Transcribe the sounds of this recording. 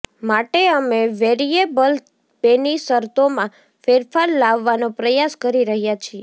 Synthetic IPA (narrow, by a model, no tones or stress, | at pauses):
maʈeəmeʋeɾiebəl | penisəɾt̪omã | feɾfʰaɾlaʋːanõpɾəjaskəɾiɾəɦjat͡ʃʰie